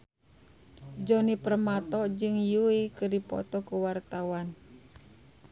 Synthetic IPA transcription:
d͡ʒɔnipərmat̪ɔd͡ʒɨŋjuikɨrdipɔ̰t̪ɔkuwart̪awan

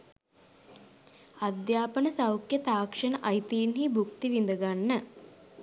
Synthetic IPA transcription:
ad̪jaːpənəsaɐwkjət̪aːkʂənəʔɐjt̪iːnɦibuk̚t̪iʋind̪əɡanːə

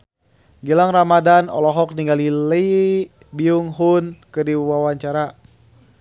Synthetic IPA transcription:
ɡilaŋramadanɔ̰lɔɦɔk̚niŋɡalili | biuŋɦunkɨdiwawaɲt͡ʃaɾa

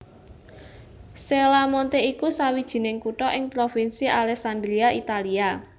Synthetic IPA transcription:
selamɔnt̪eikusawid̥ʒ̥i̤nɪŋkuʈɔʔɪŋpɾofinsiʔalɛksand̪ɾiaʔit̪alia

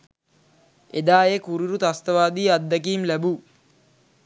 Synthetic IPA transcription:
ed̪aːjekuɾiɾut̪ast̪əʋaːd̪iːad̪ːəkiːmlæbuː

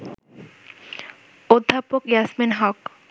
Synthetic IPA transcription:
od̪ʱːapokjasminɦɔk

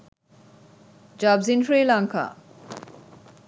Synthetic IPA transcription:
d͡ʑabzinfɾiːlaŋkʰa̰

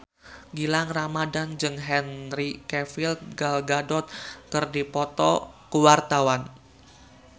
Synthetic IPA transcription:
ɡilaŋramadand͡ʒɨŋɦɛnrikɛfilt̪̚ɡalɡadɔt̪̚kɨrdipɔt̪ɔkəwart̪awan

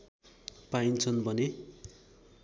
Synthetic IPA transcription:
paint͡sʰʌnbʱʌne

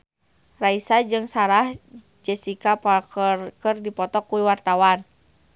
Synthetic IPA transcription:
raisad͡ʒɨŋsaɾah | d͡ʒɛsikapakərdipɔt̪ɔkuiwart̪awan

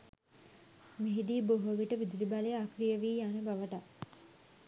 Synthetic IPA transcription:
miɦid̪iːboɦuəʋiʈəʋid̪uɾibalejakrijəʋiːjanəbaʋəʈa

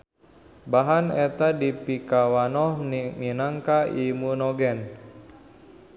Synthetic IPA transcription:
baɦanɛt̪adipikawanɔhniminaŋkaimunɔɡɛn

